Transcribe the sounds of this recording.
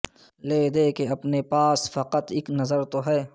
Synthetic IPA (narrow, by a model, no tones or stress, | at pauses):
leːd̪eːkeɐpnepaːsfɐqət̪ɪknɐzəɾt̪oɦɛː